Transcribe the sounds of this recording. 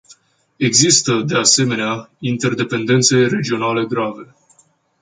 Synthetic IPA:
e̞ɡzist̪əd̪e̞ase̞me̞neaint̪e̞rd̪e̞pe̞nd̪e̞nt̪se̞jre̞d͡ʒio̞nale̞ɡɾave̞

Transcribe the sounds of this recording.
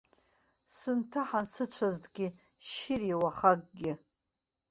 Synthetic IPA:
sɨntʰaħansɨt͡ɕʷʰazdʼɡʲɪ | ʃɪrawaχaɡ̚ʼɡʲɪ

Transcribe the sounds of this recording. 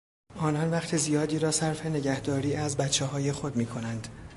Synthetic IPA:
ʔɒːnɒnvæχt̪ʰezijɒːd̪iːɾɒːsæɾfe̞ne̞ɟæhd̪ɒːɾiːʔæzbætt͡ʃʰːeɦɒːje̞xo̞d̪miːkʰo̞nænd̪̥

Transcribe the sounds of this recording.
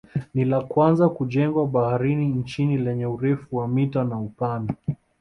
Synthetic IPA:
nilakwanzakuʄɛŋɡwaɓahaɾinin̩t͡ʃinilɛɲɛuɾɛfuwamitanaupana

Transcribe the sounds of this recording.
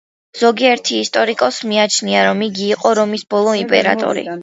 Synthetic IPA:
z̥ɔɡiɛɾt̪ʰiːst̪ʼɔɾikʼɔsmiat͡ʃʰniaɾɔmiɡiːqʼɔɾɔmisbɔlˠɔimpʼɛ̰ɾa̰t̪ʼɔ̰ɾḭ

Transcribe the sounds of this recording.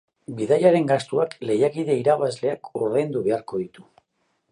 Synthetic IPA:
biðajaɾe̞ŋɡast̪uakle̞jakiðe̞iɾaβazle̞akuɾðejnd̪uβe̞aɾko̞ð̞it̪u

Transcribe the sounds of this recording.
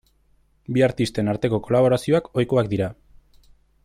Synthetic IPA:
biaɾt̪ist̪e̞naɾt̪e̞ko̞ko̞laβ̞o̞ɾasio̞ako̞jko̞ak̚d̪iɾa

